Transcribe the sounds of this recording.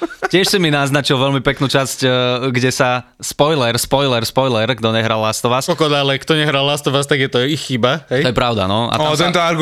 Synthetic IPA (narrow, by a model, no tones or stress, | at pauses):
cɪɛʃsiminaznat͡ʃilʋɛʎmipɛknuːt͡ʃascɡɟɛsa | spɔjlɛɾspɔjlɛɾspɔjlɛɾɡd̪ɔɲɛɦɾalːast̪ɔʋat͡skɔkɔd̪alɛkt̪ɔɲɛɦɾallast̪ɔʋat͡st̪aɡjɛt̪ɔixːibaɦɛtj̪ɔjɛpɾaʊd̪a̰nɔa̰t̪att̪ɛnt̪ɔaɾɡ